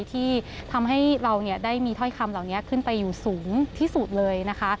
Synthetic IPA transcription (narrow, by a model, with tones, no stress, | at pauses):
t̪ʰiː˥˩t̪ʰa˧mɦa˥˩jɾa˧wni˥˩ɐdaː˥˩jmiː˧t̪ʰɔ˥˩jkʰa˧mlaː˨˩wni˦˥ɐkʰɯ˥˩npa˧jːuː˨˩suː˩˦ŋt̪ʰiː˥˩su˨˩t̪̚lɤː˧jna˦˥kʰa˦˥